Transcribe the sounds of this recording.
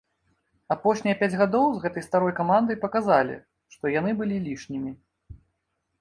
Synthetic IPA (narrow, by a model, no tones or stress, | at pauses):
apɔʂnʲijɐpʲad͡zʲɣad̪ɔwzɣɛt̪ɐjst̪aɾɔjkamand̪ɐjpɐkazalʲḭ | ʂt̪ɔjanɨbɨlʲilʲiʂnʲimʲi